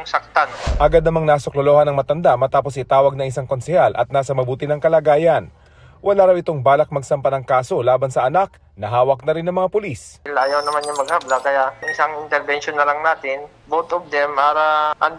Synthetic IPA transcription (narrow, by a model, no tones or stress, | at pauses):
ŋsɐk̚t̪anʔɐɡad̪nɐmaŋnasoklolo̞ːhɐnɐŋmɐt̪ɐnd̪aʔmɐt̪aːposʔɪt̪aːwɐɡ̚nɐŋɪsaŋko̞nsɛhalʔɐ̰t̪̚naːsɐmɐbuːt̪ɪnɐŋkɐlaːɡaːjɐn | wɐlaːɾɐwɪt̪o̞ŋbaːlɐk̚mɐɡ̚sɐmpɐnɐŋkaːso̞laːbɐnsɐʔɐnak̚ | nɐɦaːwɐk̚nɐɾɪnɐŋmɐŋapʊlislʔːjawnɐmanjɐŋmɐɡ̚hablakɐjaʔɪsaŋɪnt̪ɛɾbɛnʃonːɐlɐŋnaːt̪ɪn | bot̪ob̚d̪ɛmpaːɾɐʔɐn